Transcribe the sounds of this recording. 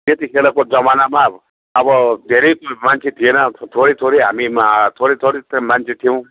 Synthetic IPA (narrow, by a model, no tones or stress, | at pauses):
t̪et̪ikʰelakod͡zʌmanama | ʌbʌd̪ʱeɾejkmant͡ʃʰet̪ʰienʌt̪ʰoɾet̪ʰoɾejɦamit̪ʰoɾet̪ʰoɾetmant͡ʃʰet̪ʰijuw̃